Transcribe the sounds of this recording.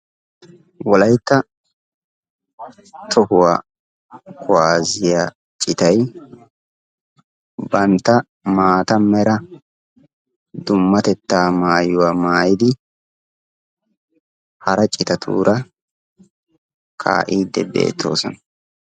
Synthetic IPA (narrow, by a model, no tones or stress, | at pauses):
wɔlɐjt̪ːɐ | t̪ʰɔhʊwaː | kʰʊwaːzɪjaː | t͡ʃʼɪt̪ɐj | bɐnt̪ːɐ | maːt̪ɐmɛɾɐ | d̪ʊmːɐt̪ɛt̪ːaːmaːjʊwaːmaːjɪd̪ɪ | hɐɾɐt͡ʃʼɪt̪ɐt̪ʰṵːɾʔɐ | kʰa̰ːʔiːd̪ːɛbḛːt̪ʰːo̞̰ːsɔnɐ